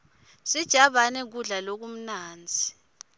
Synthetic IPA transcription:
sid̥ʒ̥ʱaɓanɛk̬uɮalok̬um̩naːnd͡zʱi

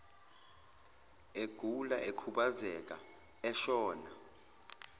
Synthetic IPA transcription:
eɡ̥ʱulaʔekʰuɓazɛk̬ʼa̰ | ɛʃɔːna

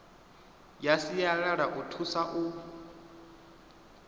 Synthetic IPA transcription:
jasijaɺaɺaʔutʰusaʔu

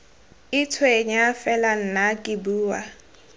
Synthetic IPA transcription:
ɪt͡sʰweɲafɛlan̩nakʼɪbuːwa

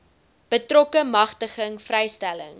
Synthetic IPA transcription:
b̥ətrɔkəmɐχtəχəŋfrɛjstælə̰ŋ

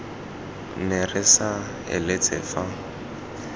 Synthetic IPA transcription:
nerɪsa | ɪ̰lɪt͡sʼɪ̰fa

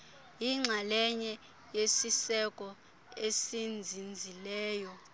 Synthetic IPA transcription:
jiŋ͡ǀʱalɛɲɛ | jesisɛkʼɔ | esind͡zʱind͡zʱilɛːjɔ

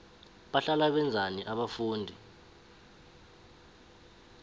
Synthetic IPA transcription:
ɓaɬalaɓɛnd͡zʱaniʔaɓafuːndʱi

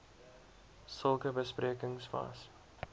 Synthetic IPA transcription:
səlˠkəbəspriəkəŋsvɐ̰s

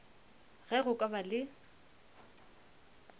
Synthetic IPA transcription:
ɣɛɣʊkʼabalɪ

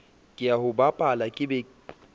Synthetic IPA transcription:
kʼɪjaɦʊbapʼalakʼɪbɛ

